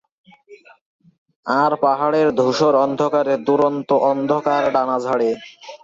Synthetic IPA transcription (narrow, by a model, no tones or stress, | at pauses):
aɾpaɦaɽeɾd̪ʱuʃoɾɔnd̪ʱokaɾed̪uɾont̪oʔɔnd̪ʱokaɾɖanad͡ʑʱaɽe